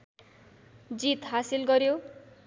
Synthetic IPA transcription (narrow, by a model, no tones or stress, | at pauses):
d͡zit̪ɦasilɡʌɾjo